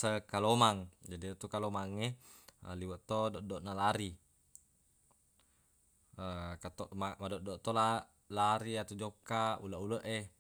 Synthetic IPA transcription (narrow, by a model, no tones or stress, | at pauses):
səkalomaŋd͡ʒadit̪ukalomaŋeə̰liwəʔt̪odɔʔdoʔnalaɾi | əkat̪oʔmamadɔʔdɔʔt̪ola | laɾiat̪ud͡ʒokauləʔuləʔe